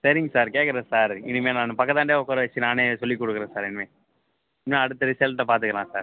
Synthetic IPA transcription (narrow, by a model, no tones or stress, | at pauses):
sɐɾɪŋɡɐsaːɾkeːkɐɾɐsaːɾɪnːɯmeːnãːnɯpɐkːɐt̪ːaːɳɖeːɔkːɔɾɐʋɛt͡ʃːɯnaːneːsɔlːikːɔɽɯkːɯɾẽːsaːɾɛnːɯmeː | mãːɐɽɯt̪ːɐʋɪsjɐːlʈːɐpaːɾt̪̬ɯkɐlãːsaːɾ